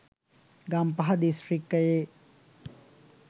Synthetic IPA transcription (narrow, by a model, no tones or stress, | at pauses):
ɡampɐɦɐd̪isrikːɐje